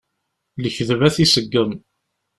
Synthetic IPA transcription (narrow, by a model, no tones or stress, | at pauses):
ləçðəvæθisəɡːəm